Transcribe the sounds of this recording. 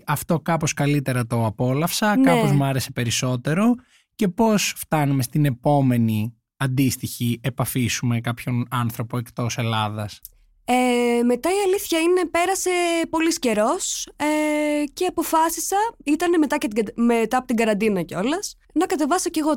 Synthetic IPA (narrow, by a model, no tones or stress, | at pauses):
ɐft̪o̞kɐpo̞skɐlit̪e̞ɾɐt̪o̞ɐpo̞lɐfsɐkɐpozmɐɾe̞se̞pe̞ɾiso̞t̪e̞ɾo̞ | ce̞po̞sft̪ɐnume̞st̪ine̞po̞me̞ni | ɐnd̪ist̪içie̞pɐfisume̞kɐpço̞nɐnθɾo̞po̞e̞kt̪o̞se̞lɐðɐs | eme̞t̪ɐiɐliθçɐine̞pe̞ɾɐse̞po̞lisce̞ɾo̞sece̞ɐpo̞fɐsisɐit̪ɐne̞me̞t̪ɐcet̪iɐmet̪ɐpot̪iɡɐɾɐnd̪inɐceo̞lɐs | nɐkɐt̪e̞vɐsɐce̞ɣo̞